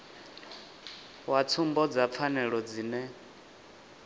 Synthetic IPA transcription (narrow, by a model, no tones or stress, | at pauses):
wat͡sʰumbɔd͡zap̪fʰanɛɺɔd͡ziːnɛ